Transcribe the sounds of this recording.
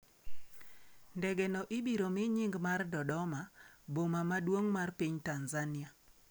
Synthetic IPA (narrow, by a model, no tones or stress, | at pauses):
ndɛɡɛnɔʔɪbiɾomɪɲiŋɡmardɔdɔmabomamadwoŋmarpiɲtanzanɪa